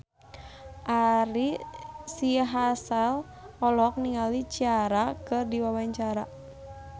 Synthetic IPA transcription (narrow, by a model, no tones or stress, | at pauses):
ʔaɾisiɦasal | ɔlɔk̚niŋalit͡ʃiaɾakɨrdiwawaɲt͡ʃaɾa